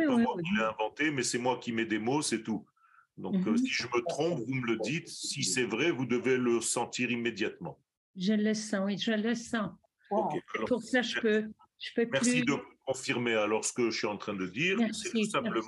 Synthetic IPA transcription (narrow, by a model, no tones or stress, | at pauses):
iwaileɛ̃vɑ̃t̪emɛsɛmwakʲimɛd̪emosɛt̪u | d̪ɔ̃ksiʒəmət̪χɔ̃pvumələd̪it̪sisɛvʁɛvud̪əveləsɑ̃t̪iʁimed̪jat̪mɑ̃ | ʒələsãwiʒələsa | okealɔpuʁsaʒəpø | ʒ̥əpøpmɛʁsid̪əvukɔ̃fiʁmealɔʁsə̥kəsɥiɑ̃t̪χɛ̃d̪əd̪iːʁɛʁsɛisɛ̃plə̃